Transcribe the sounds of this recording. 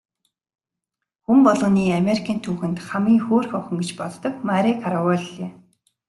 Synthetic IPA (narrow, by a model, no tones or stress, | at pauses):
xumpɔɮʁɞ̆niːamʲeɾikʰaːnt̪ʰuːxɘ̆nt̪χamiːŋxoːrxɔχɞ̆ŋɡet͡ɕpɔt̪ːɞ̆kmaɾʲikʰaɾawɔɮeː